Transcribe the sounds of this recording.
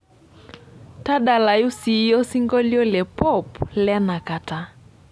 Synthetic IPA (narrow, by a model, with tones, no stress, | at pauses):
ta˦ɗa˨la˨ju˦si˨˦jɔ˦si˦ŋɡɔ˦ljɔ˦lɛ˨pɔ˦˨plɛ˦na˨ka˨ta˨